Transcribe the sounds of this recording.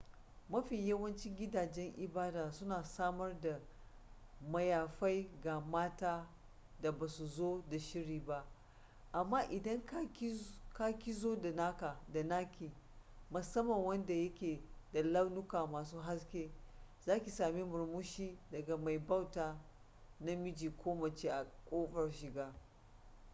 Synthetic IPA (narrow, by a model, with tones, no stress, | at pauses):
mɐ˦ɸi˨jɐ˦wɐ˦nt͡ʃɪ˦ŋɡʲɪ˦daː˨d͡ʒɛ˦ŋʔɪ˨baː˦daː˨sʊ˦naː˨saː˦mɐ˦rda˨ | mɐ˨jaː˨ɸa˦jɡa˨maː˦taː˦ | da˨baː˨su˨zoː˦da˨ʃɪ˦ɾiː˨ba˦ʔ | ʔa˨mːaː˦ʔɪ˨dɐ˦ŋkka˦kʲi˦zoː˦da˨naː˦kaː˨da˨naː˦kʲiː˨ | mʊ˨sɐ˦mːɐ˨ŋwɐ˦nda˨jɐ˦kʲeː˨da˨la˦wnʊ˦kaː˨maː˨suː˦ɦa˦s̬kʲe˦zaː˦kʲi˨saː˨me˦mʊ˨ɾmʊ˦ʃiː˦dɐ˨ɡa˨ma˨jba˦wtaː˨ | na˦mɪ˦d͡ʒiː˨kʷʰoː˦mɐ˨t͡ʃe˦ʔa˨kʷʼoː˦ɸɐ˨rʃɪ˨ɡaː˦